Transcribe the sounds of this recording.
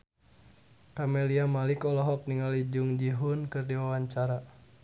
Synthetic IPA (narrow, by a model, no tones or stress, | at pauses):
kamɛliamalikɔlɔɦɔk̚niŋalid͡ʒuŋd͡ʒiɦunkɨrdiwawaɲt͡ʃaɾa